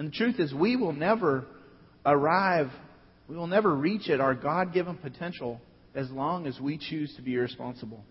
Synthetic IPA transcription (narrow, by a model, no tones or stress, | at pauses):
ɨ̃nðɨtʰɹ̥ʉθɨzwiwɪlˠnɛvə˞ | ə˞aɪv | wiwəlˠnɛvə˞ɹit͡ʃɨɾaʊə˞ɡɑd̚ɡɪvə̃npʰɨtʰɛ̃nʃl̩ˠ | ɨzlɔ̃ŋɨzwit͡ʃʰʉz̥tʰɨbiɪɹɨspɑ̃nsəbl̩ˠ